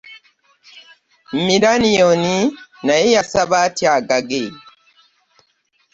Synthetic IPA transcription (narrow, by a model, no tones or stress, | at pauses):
m̩miɾanijoninajejasaβatiaɡaɡe